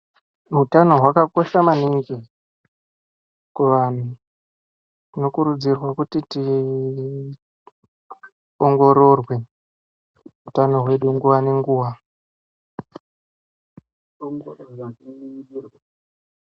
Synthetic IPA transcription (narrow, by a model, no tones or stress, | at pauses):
mutano̞ɦwakako̞ʃamaniŋɡi | kuʋaːn̤u | tino̞kuɾud͡zirwakutiti | oŋɡo̞ɾo̞rwe̞ | mutano̞ɦwe̞ɗuŋɡuʋane̞ŋɡuːʋa | oŋɡorwairwa